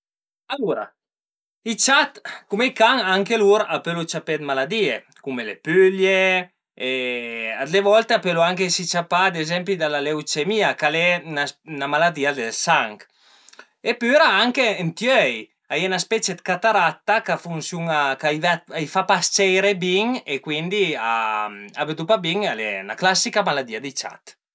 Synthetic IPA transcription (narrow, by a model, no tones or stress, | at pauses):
aluɾa̰ | it͡ʃat̪kumekaŋaŋkeluɾapølot͡ʃaped̪malad̪ie | kumelḛpylje | ead̪levɔlt̪apøloaŋkesit͡ʃapad̪ezɛmpid̪alalewt͡ʃemiakalɛynasnamalad̪iad̪elsaŋk | epyɾaaŋkeent̪jøœj | ajenaspɛt͡ʃed̪kat̪aɾat̪ːakafunsjuŋakajvat̪ajfapast͡ʃɛjɾebiŋekwind̪ia̰a̰ved̪upabiŋalena̰klasikamalad̪iad̪it͡ʃa̰t̪